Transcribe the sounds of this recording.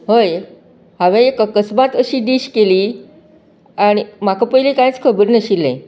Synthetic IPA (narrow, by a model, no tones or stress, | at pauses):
ɦəj | ɦãʋẽekəkəsbat̪əɕiːɖiːɕkeliː | aɽ̃imakəpəilikãjit͡skʰəbəɾnəɕilːẽ